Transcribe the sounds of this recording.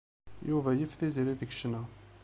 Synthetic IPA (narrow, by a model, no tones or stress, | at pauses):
juvæjəfθiziɾiðəɡʃnæ